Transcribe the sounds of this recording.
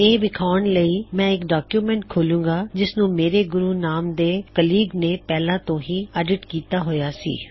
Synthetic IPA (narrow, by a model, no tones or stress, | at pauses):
eːʋɪkʰaːnləiːmɛ̃ːɪkɖaːkjuːmɛ̃ːɳʈ̚kʰoːlũːɡaːd͡ʒɪsnũːmeːɾeːɡʊɾuːnaːmd̪eːkəliːɡneːpɛːlãːt̪õːɦiːəɖɪʈkiːt̪aːɦojaːsḭː